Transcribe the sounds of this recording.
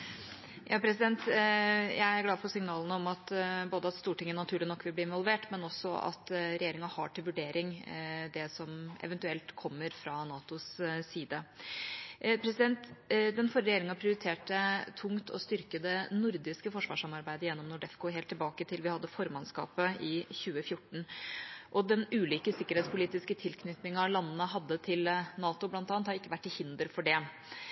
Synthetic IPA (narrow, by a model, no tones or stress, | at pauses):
jʔɑːpʰɾɛs̬ɪd̪ɛnt̪jæɪæɾɡlɑːd̪fɔɾsɪŋnɑːlənəɔmɑt̪boːd̪əɑt̪st̪uːʈɪŋːənɑt̪ʰʉːɭɪnɔkːʋɪlb̪iːɪnʋɔlʋeːʈmɛnɔsːɔʔɑ̰t̪ɾɛjeːɾɪŋɑhɑ̰ʈɪlʋʉɖeːɾʔɪŋd̪ɛsɔmɛ̰ʋɛnt̪ʉɛlt̪kʰɔmːəɾfɾɑnɑːt̪ʊssiːd̪ə | pʰɾɛsɪd̪ɛnt̪d̪ɛnfɔɾəɾɛjeːɾɪŋɑpʰɾɪʊɾɪt̪ʰeːʈət̪ʰʊŋt̪ʰɔ̰st̪ʏɾkəd̪ənʊɾd̪ɪskəfɔʂʋɑ̰ːʂɑmɑɾbæɪd̪əjɛnːɔmnʊɖɛfkʊɦeːlt̪ʰːɪlbɑːkət̪ʰɪlʋɪhɑd̪ːəfɔɾmɑnskɑ̰ːpəɪçʉːəfjʊʈːɳ̩ʔɔd̪ɛnʉːliːkəsɪkːəɾhɛːt̪spʰʊliːt̪ɪskət̪ʰɪlkʰnʏt̪nɪŋɑlɑnːənəɦɑd̪ːət̪ʰɪlnɑːt̪ʊblɑnt̪ɑːnt̪hɑɾɪkːəʋæʈːɪhɪnd̪əɾfɔɖɛ